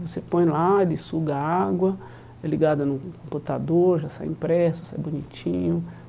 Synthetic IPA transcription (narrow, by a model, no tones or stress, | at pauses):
vosepõj̃laelɪsuɡaaɡwɐ | ɛliɡad̪ɐnʊkõmput̪ad̪oɾʒasa̰jḭ̃pɾɛsʊ̥sa̰jbunit͡ʃĩɲʊ